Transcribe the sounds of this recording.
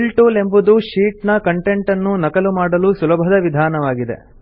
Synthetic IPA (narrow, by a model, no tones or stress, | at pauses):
lʈuːle̞mbud̪uʃiːʈnɐkɐɳʈe̞ɳʈɐnːunɐkɐlumaːɽɐlusulɐbʱɐd̪ɐʋid̪ʱaːnɐʋaːɡid̪ḛ